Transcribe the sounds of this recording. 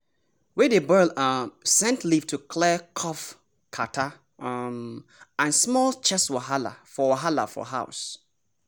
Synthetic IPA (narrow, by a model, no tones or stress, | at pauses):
wɛdebɜlasɛ̃ntlivtʰukʰlɛkʰɔf | kʰatʰa | mãnsmɔlt͡ʃʰɛswaɦala̰fɔwaɦala̰fɔ̰ɦaʊs